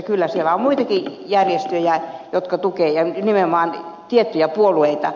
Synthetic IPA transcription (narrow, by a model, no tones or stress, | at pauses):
kylːæsielːæommuit̪ɑkijærjest̪øjæjot̪kɑt̪ukeːjɑnimeomɑːnt̪iet̪ːyjæpuolueit̪ɑ̰